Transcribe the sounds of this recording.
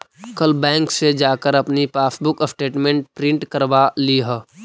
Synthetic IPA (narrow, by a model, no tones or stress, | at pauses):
kəlbɛ̃ːŋksed͡ʒaːkəɾɐpnipaːsbʊkəsʈeːʈmẽːɳʈ̚pɾɪ̃ɳʈkəɾbaliɦə